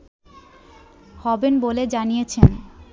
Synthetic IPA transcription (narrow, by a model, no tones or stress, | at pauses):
hɔbenboled͡ʑanijet͡ɕʰen